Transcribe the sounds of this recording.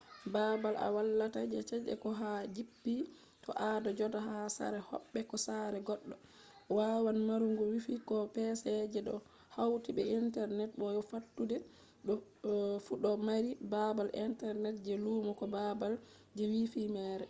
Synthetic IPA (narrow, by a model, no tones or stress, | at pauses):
babala̰walːatad͡ʒɛt͡ʃɛd͡ʒɛ̰kɔɦad͡ʒipːi | tʰɔ̰ʔadɔd͡ʒɔtaɦasa̰ɾɛhɔ̰ɓːɛkɔsaɾɛɡɔɗːɔ | wawanmaɾuŋɡuwifikɔpɛsɛd͡ʒɛɗɔ̰ | hawtibɛintɛɾnɛt̚bɔjɔfatːudɛ | ɗɔfuɗɔmaɾibabalʔintɛɾnɛt̚d͡ʒɛluːmɔkɔbabal | d͡ʒɛwifimɛːɾɛ